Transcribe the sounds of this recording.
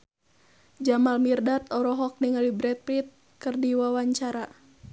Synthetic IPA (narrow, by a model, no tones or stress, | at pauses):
d͡ʒamalmirdat̪ɔɾɔɦɔk̚niŋalibɾɛt̪̚pɾit̪̚ | kɨrdiwawaɲt͡ʃaɾa